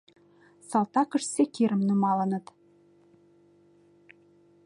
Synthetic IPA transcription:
sɑlt̪ɑkə̆ʃsekiɾəmnumɑlə̆nə̆t̪

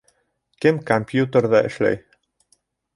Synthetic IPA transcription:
kɘmkompjut̪ə̆rd̪ɑʔɘ̆ʃlæ̰j

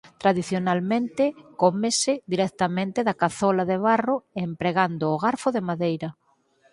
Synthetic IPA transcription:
t̪ɾaðiθjonalmẽnt̪ɪkomesɪðiɾɛkt̪amẽnt̪ɪðakaθɔlaðeβ̞aroempɾeɣand̪oːɣaɾfoðemaðejɾɐ

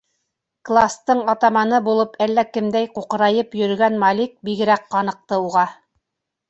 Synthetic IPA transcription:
klˠast̪ɤɴɑt̪ɑmɑnɤbulˠɤpʰælːækɘ̆md̪æjquqɤ̆ɾɑjɤpjɵ̆ɾɵ̆ɡænmɑlʲik̚biɡɘ̆ɾæqqɑnɤ̆q̚t̪ɤuʁɑ

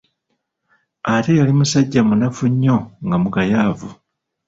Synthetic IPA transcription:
ate̞jalimusaɟːamunafuɲːo̞ŋɡamukajaːvu

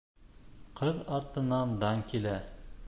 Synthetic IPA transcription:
qɤðɑɾt̪ɤ̆nɑnd̪ɑŋkilæ

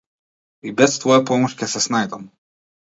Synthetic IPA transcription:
ibɛst̪vɔjapɔmɔʃkʲɛsɛsnajd̪am

